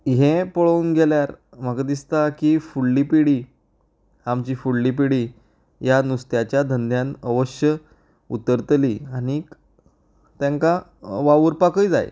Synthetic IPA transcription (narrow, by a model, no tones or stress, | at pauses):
ɦẽpəɭounɡʱeljaɾ | m̤əkad̪ist̪akiːfuɭːiːpiɽiː | amt͡ɕiːfuɭːiːpiɽiː | janust̪jat͡ɕjad̪ʱənd̪ʱjãnəʋəɕjə | ṵt̪əɾt̪liːañik | t̪jãŋkaʋaʋuɾpakəid͡za̰j̰